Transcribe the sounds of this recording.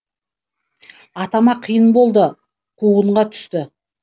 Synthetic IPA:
ɑt̪ɑmɑqʰəjənbo̞lˠd̪ə | qʰuʁəɴʁɑt̪ʰʏ̥st̪ɪ

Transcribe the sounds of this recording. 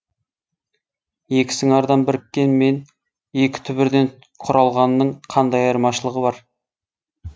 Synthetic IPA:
je̞kʲɪ̥sɪŋɑɾd̪ɑnbɪɾɪkʲːe̞nme̞n | e̞kʲɪ̥t̪ʰʏbɪɾd̪e̞ɴ | qʰʊɾɑlˠʁɑnːəɴqʰɑnd̪ɑjɑɾmɑʃəlˠəʁəβɑɾ

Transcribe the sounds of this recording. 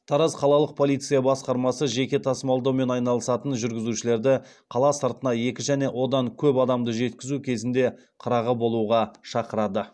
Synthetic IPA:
t̪ʰɑɾɑzqʰɑlˠɑlˠəq̚pʰo̞lʲijt̪sɨjɑbɑsqɑɾmɑsəʒe̞kʲe̞t̪ʰɑsəmɑlˠd̪ɑwme̞nɑjnɑlˠəsɑt̪ənʒʏɾɡʲɪzuʃɪle̞ɾd̪ɪ | qʰɑlˠɑsəɾt̪ənɑje̞kʲɪʒæne̞wʔo̞d̪ɑŋkʲʰɵpɑd̪ɑmd̪əʒe̞t̪kʲɪzukʲʰe̞zɪnd̪e̞ | qʰəɾɑʁəbo̞lˠuʁɑʃɑqəɾɑd̪ə

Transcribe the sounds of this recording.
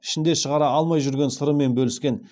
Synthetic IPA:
ɪ̥ʃɪnd̪e̞ʃəʁɑɾɑɑlˠmɑjʒʏɾɡʲe̞nsəɾəme̞nbɵlɪskʲe̞n

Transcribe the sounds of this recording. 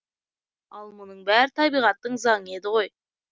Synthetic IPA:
ɑlˠmʊnəɴbæɾɪt̪ʰɑbijʁɑt̪ːəɴzɑɴəe̞d̪ɪʁo̞j

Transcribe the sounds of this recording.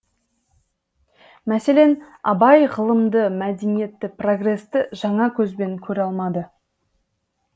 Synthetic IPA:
mæse̞le̞n | ɑ̰bɑjʁəlˠəmd̪əmæd̪e̞nije̞t̪ːɪpro̞ɡre̞st̪ɪʒɑɴɑkʲʰɵzbe̞ŋkʲʰɵɾɑlˠmɑd̪ə

